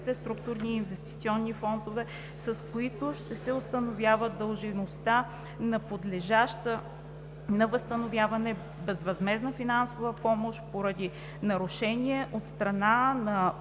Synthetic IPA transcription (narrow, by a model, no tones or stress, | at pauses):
t̪ɛst̪ɾuk̚t̪uɾniːnvɛst̪it̪siɔnːifɔnd̪ovɛ | sɐskoit̪oʃt̪ɛsɛost̪ənovʲjavəd̪əlˠʒinost̪a | nɐpod̪lɛʒaʃt̪ə | nɐvəst̪ənovʲjavɐnɛ | bɛzvɐzmɛznəfinansovəpɔmoʃpoɾɐd̪i | nɐɾʊʃɛnʲiɛʔot̪st̪ɾɐnanɐ